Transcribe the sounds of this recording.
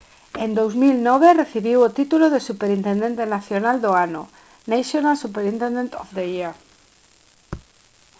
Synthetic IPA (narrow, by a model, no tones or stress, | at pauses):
ẽnd̪owzmilnɔβ̞ereθiβiwot̪it̪uloðesupeɾint̪end̪ent̪enaθjonald̪oanʊ̰ | naʃonasupeɾĩnt̪end̪ẽnt̪ɔfd̪eia